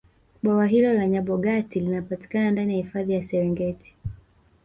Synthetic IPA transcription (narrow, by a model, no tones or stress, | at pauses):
ɓwawaɦilɔlaɲaɓɔɠatilinapati̥kanandanijahifaðijasɛɾɛŋɡɛtʰi̥